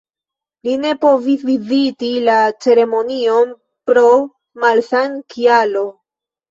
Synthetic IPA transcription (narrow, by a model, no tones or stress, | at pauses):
line̞po̞visvizitilat͡ʃe̞ɾe̞mo̞nio̞n | pɾo̞ | malsaŋkʰialo̞